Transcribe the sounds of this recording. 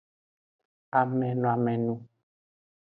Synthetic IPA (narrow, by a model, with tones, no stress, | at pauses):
a˨mɛ̃˨nũ˨a˨mɛ˨nũ˦